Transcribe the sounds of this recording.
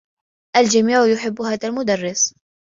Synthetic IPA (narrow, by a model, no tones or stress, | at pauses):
ʔald͡ʒamiːʕʊjʊħɪbːʊhaːðalmʊd̪arˤːɪs